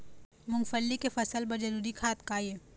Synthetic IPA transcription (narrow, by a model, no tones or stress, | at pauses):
mʊ̃ŋfəlːikefɐsəlbɐd͡ʒɐɾuːɾikʰaːt̪kaːje